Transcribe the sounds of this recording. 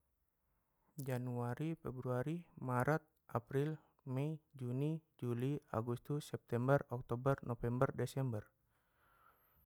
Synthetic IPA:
d͡ʒanuaɾifɛbɾuaɾimaɾʔat̪̚ʔapɾil | mɛid͡ʒunid͡ʒulia̰ɡust̪usːɛp̚t̪ɛmbərɔk̚t̪ɔbərnɔfɛmbərdɛsɛmbər

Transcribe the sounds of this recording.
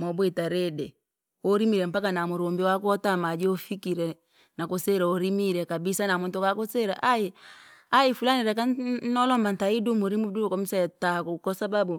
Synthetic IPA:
mɔbwetaɾedɛ | oɾimiɾɛmpakanamoɾombiwakwɔtamad͡ʒiofikiɾɛ | nakoseɾaoɾimiɾɛkabisanamontokakoseɾaʔajeajifulaniɾɛkanɔlɔmbantaidumoɾimudukɔmisatakukɔsababu

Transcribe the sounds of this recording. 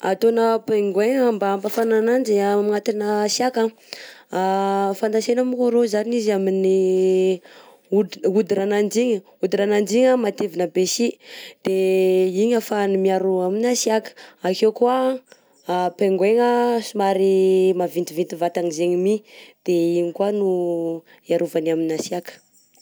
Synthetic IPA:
at̪onəpeŋɡweŋəmbampafananand͡ʒiamiŋat̪inəsjaka | afand̪asenamikoɾozaninizamini | uud̪iɾanand͡ʒiɲə | ud̪iɾanand͡ʒiɲəmat̪evinəbesid̪̥eiɲafanumiaɾuaminasiakə̥akewkua | peŋɡweŋəsumaɾimavint̪ivint̪ivat̪aŋizeɲimid̪̥eiɲikuanu | iaɾuvanaminasiakə̥

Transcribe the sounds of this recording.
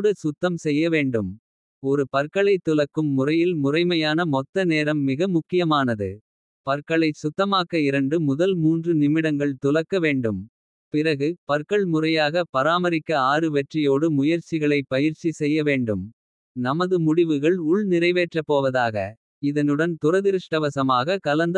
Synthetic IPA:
ɽɯsʊt̪ːɐmsɛjːɐʋeːɳɖɯm | ɔɾɯpɐɾkɐɭɐɪt̪ːʊlɐkːɯmːʊrɐjɪlmʊrɐɪmɐjaːnɐmɔt̪ːɐneːɾɐmːɪɣɐmʊkːɪjɐmaːnɐðɯ | pɐɾkɐɭɐɪsʊt̪ːɐmaːkɐɪɾɐɳɖɯmʊðɐlmuːndrɯnɪmɪɽɐŋɡɐɭt̪ʊlɐkːɐʋeːɳɖɯm | pɪrɐɣɯpɐɾkɐɭmʊrɐjaːɣɐpɐɾaːmɐɾɪkːɐaːrɯʋɛʈrɪjoːɽɯmʊjɐɾt͡ʃɪɣɐɭɐɪpːɐjɪɾt͡ʃisɛjːɐʋeːɳɖɯm | nɐmɐðɯmʊɽɪʋɯɣɐɭʊɭnɪrɐɪʋeːʈrɐpːoːʋɐðaːɣɐ̰ | ɪðɐnɯɽɐnt̪ʊrɐðɪɾɯʂʈɐʋɐsɐmaːɣɐkɐlɐnd̪

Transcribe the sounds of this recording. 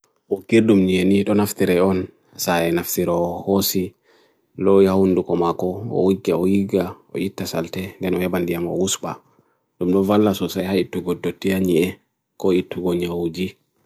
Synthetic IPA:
ʔɔkiɾdumɲeniɗɔnaftiɾɛɔn | saɛnaftiɾɔːhosi | lɔjhawundukɔmakɔɔ̰wiɡaɔjiɡa | ɔ̰ʔitːasaltɛndɛnɔhɛbandijamɔ̰wusɓa̰ | dumɗɔvalːasɔsajhaitːuɡɔdotːijaɲiɛ | kɔitːuɡɔɲawud͡ʒi

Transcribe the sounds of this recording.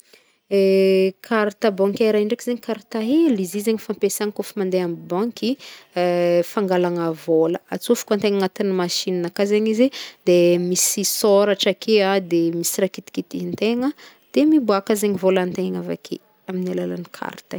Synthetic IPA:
ekʰaɾt̪əbɔ̃ŋkʲaiɾaɳɖ͡ʐekizeɲikaɾt̪aɦilizizeɲifampesaŋkofimand̪eambɔŋki | faŋɡalaŋəvoləat͡sufu̥kant̪eŋaŋat̪inimaʃinanakazeɲizid̪emisisoɾaʈ͡ʂakʰead̪emisirakit̪i̥kit̪int̪eŋə | d̪̥emibuakazeɲivolant̪eŋava̰kʰḛ | aminalala̰nikʰa̰ɾt̪ə

